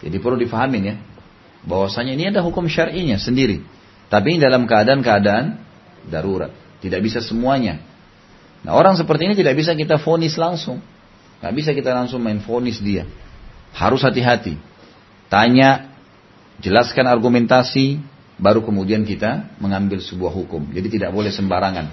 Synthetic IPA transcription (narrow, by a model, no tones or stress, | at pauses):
d͡ʒa̰dipərludifaɦamɪnja | bawasaɲainiadaɦukʊmʃaɾiɲasəndiɾḭ | t̪ap̬inidalamkəadaːnkəadaːn | daɾuɾa̰t̪̚ːidak̚bisasəmuaɲa | na̰oɾaŋs̬əpərt̪iːnit̪idak̚bis̬akit̪afonɪslaŋsʊŋ | ɡa̰ʔbis̬akit̪alaŋsʊŋmaɪnfonɪsdia | ha̰ɾʊshat̪iɦat̪ḭ | t̪aɲaʔ | d͡ʒəlaskanarɡumɛnt̪asi | baɾukəmudiankit̪aməŋambɪlsəbuahɦukʊmd͡ʒadit̪idaʔ̚bolɛhsəmbaɾaŋa̰n